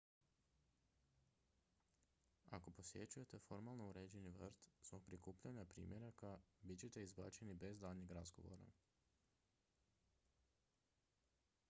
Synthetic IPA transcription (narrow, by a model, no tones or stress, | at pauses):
a̰ko̞po̞sje̞t͡ɕuje̞t̪e̞fo̞ɾmalˠnouɾe̞ːd͡ʑe̞niʋrt̪zbo̞ɡ̚pɾikuːpʎaɲapɾḭːmje̞ɾakabitt͡ɕe̞t̪e̞izba̰ːt͡ʃe̞nibe̞zd̪alɲeɡɾazɡo̞ʋo̞̰ɾa̰